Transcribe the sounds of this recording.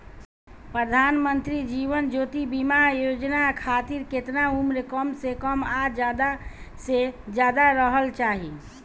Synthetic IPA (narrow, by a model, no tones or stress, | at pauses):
pɾəd̪ʱanmənt̪ɾid͡ʒiʋənd͡ʒot̪ibimajod͡ʒnakʰat̪iɾket̪naumɾekəmsekəmad͡ʒad̪ased͡ʒad̪aɾəɦəlt͡ʃaɦi